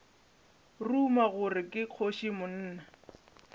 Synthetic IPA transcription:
rumaɣʊrɪkʼɪq͡χʰoʃimʊn̩ːna

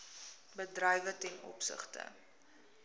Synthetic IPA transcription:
bədrəjvətɛnɔ̰psə̰χtə̰

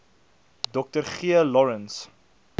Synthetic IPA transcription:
dɔk̚tərχiəlɔɹəns

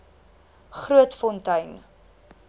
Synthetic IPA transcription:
χruətfɔntɐɥn

